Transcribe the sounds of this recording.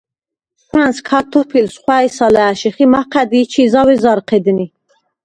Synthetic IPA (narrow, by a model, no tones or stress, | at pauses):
χʰwanskʰat̪ʰɔpʰilsχwaisalæːʃiχimaqʰæd̪iːt͡ʃʰizawɛzɑɾqʰɛd̪ni